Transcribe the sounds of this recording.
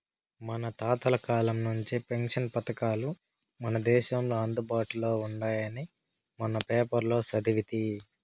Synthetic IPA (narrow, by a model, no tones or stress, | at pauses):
mɐnɐt̪aːt̪ɐlɐkaːlɐmnuɲt͡ʃipe̞ŋʂɐnpɐt̪ɐkaːlu | mɐnɐd̪ɛːʃɐmloːɐnd̪ubaːʈulo̞ːuɳɖaːjɐni | mɐnɐpeːpɐɾlo̞ːsɐd̪iʋit̪i